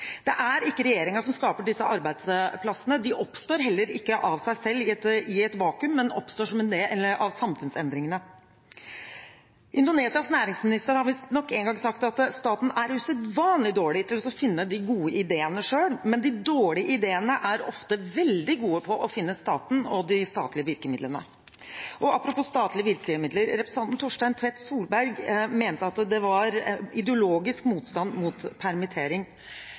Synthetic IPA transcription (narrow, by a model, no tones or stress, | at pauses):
d̪̥ɛʔæɾɪkːəɾɛjeːɾɪŋɑʂɔmskɑːpəɖɪsːəʔɑɾbæɪd̪spʰlɑsənəd̪ɪʔɔpst̪oːɾɦɛlːəɾɪkːəʔɑʋsæɪsɛlːɪt̪ɪɛt̪ʋɑːkʉmːɛnɔ̰pst̪oːʂɔmɪnd̪eːʔɛlːəɾʔɑʋsɑmfʉnsɛnd̪ɾɪŋənə | ʔɪnd̪ʊneːsɪɑsnæːɾɪŋsmɪnɪst̪əɾhɑɾʋɪnɔkːɛŋɡɑŋsɑkt̪ɑt̪st̪ɑːt̪næɾʉsɛt̪ʋɑːnlɪd̪oːɭɪt̪ʰɪlɔsɔfɪnːəd̪ɪɡuːəʔɪd̪eːənəʂøːɽmɛnd̪ɪd̪oːɭɪəʔɪd̪eːənəʔæɾɔft̪əʋɛld̪ɪɡuːəpʰɔʔɔfɪnːəst̪ɑːt̪n̩ɔd̪ɪst̪ɑ̰ːt̪lɪəʋɪɾkəmɪd̪lənə̰ | ʔɔɑpːɾʊpuːst̪ɑːt̪ʰlɪəʋɪɾkɪəmɪd̪ləɾːɛpɾəsʰɑnt̪n̩t̪ʰɔʂʈæɪnt̪ʰʋɛt̪suːlbæɾɡmeːnt̪əɑt̪d̪ɛʋɑɾɪd̪ɛʊloːɡɪskmuːt̪st̪ɑnːmuːt̪pʰæɾmɪt̪ʰeːɾɪŋ